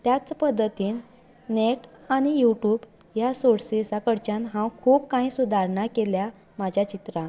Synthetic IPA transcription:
t̪jat͡spəd̪ːət̪iːn | neʈaɽ̃ijuʈuːbjasoɽsesakəɽt͡ɕanɦãwkʰuːpkãĩsud̪ʱaɾɳakelja | mad͡ʑʱjat͡ɕit̪ɾã

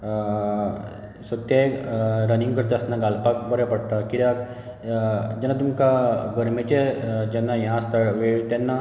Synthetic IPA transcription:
sət̪ːeɾənĩŋɡkəɾt̪eəsnaɡalpakbəɾepəɽʈ̪akiɾjak | d͡ʑɛnːat̪umkaɡəɾmet͡ɕed͡ʑɛnːajãst̪əɭʋeɭt̪ɛnːa

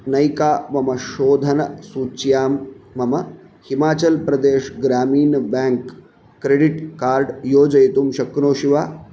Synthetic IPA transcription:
nɐjkaːmɐmɐʃoːd̪ʱɐnɐsuːt͡ʃjaːmːɐmɐ | himaːt͡ɕɐlpɾɐd̪eːʃɡɾaːmiːnbɛŋkː | ɾeɖiʈkaːɾɖjoːd͡ʒɐjt̪umʃɐknoːɕiʋaː

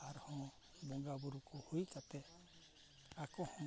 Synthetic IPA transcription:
aɾhɔ̃ | bɔŋɡabuɾukʰɔhujkat̪ɛ | akɔhɔ̃

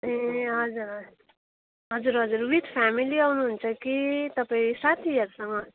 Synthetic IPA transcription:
eɦʌd͡zuɾʌ | ɦʌd͡zuɾɦʌd͡zuɾwit̪pʰamiliawnuɦunt͡sʰʌkit̪ʌpaisat̪ʰijʌɾsʌŋɡʌ

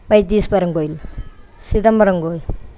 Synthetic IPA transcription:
bɐjt̪iːspɐɾɐŋɡojilsid̪ɐmbɐɾɐŋɡoːjl

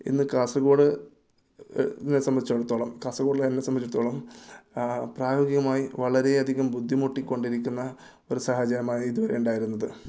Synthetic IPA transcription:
ḭnːɨkaːsɐɣo̞ːɽɨ | nːesɐmbɐd̪ʱit͡ɕːɐɽut̪ːo̞ːɭɐmkaːsɐɣo̞ːɽilt̪ɐnːesɐmbɐit͡ɕːuɽt̪ːo̞ːɭɐm | praːjo̞ːɡiɣɐmaːjiʋɐɭɐɾe̞ɐd̪ʱiɣɐmbud̪ʱːimoʈːikʲːo̞ɳɖiɾikʲːunːɐ | o̞ɾusɐhɐd͡ʑɐɾɐmaːjid̪uʋɐɾejuɳɖaːjiɾunːɐðɨ

